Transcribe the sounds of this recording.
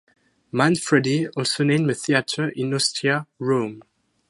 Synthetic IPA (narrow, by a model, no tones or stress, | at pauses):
mãnfɹɛdiɔlsonẽɪ̃məθiatʰə˞ʔɪ̃nɔstʰɹiaɹõm